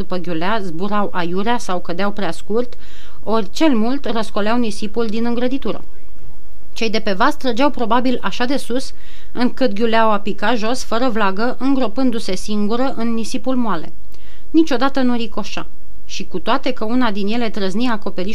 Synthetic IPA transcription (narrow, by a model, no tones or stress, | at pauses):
d̪upəɡʲuleazbuɾawʔajuɾeasawkəd̪eawpɾeaskurt̪ | o̞rʲt͡ʃe̞lmult̪rəsko̞leawnisipuld̪inɨŋɡɾəd̪it̪uɾə̰ | t͡ʃe̞jd̪e̞pe̞vast̪ɾəd͡ʒawpɾo̞babilaʃad̪e̞sus | ɨŋkɨt̪ɡʲuleawapikat̪ʒo̞sfəɾəvlaɡəʔɨŋɡɾo̞pɨnd̪use̞siŋɡuɾəʔɨnːisipulmoale̞̰ | nit͡ʃo̞d̪at̪ənuɾiko̞ʃa̰ | ʃikut̪oat̪e̞kəunad̪inje̞le̞t̪ɾəzniaːko̞pe̞ɾi